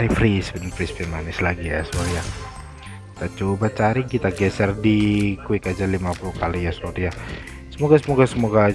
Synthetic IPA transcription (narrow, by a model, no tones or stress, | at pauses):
ɾifɾisbənfɾɪspimanɪslaɡijasəoɾija | kit̪at͡ʃobat͡ʃaɾikit̪aɡɛsɛrdikuikad͡ʒalimapulukalijasoɾija | səmoɡasəmoɡasəmoɡa